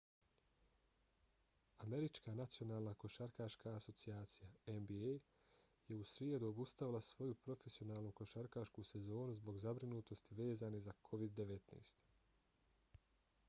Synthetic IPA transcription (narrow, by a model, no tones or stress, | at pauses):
ame̞ɾit͡ʃkaːnat̪sijo̞naːlˠnako̞ʃaɾkaːʃkaːso̞t̪siaːt̪sijaenbiej | je̞usɾjeːd̪uo̞bust̪aʋilˠasʋo̞jupɾo̞fe̞sio̞naːlˠnuko̞ʃaɾkaʃkuse̞zo̞ːnuzbo̞ɡzabɾinuːt̪o̞st̪iʋe̞ːzaːnezakʰo̞ʋid̪ːe̞ʋe̞t̪nḛːst̪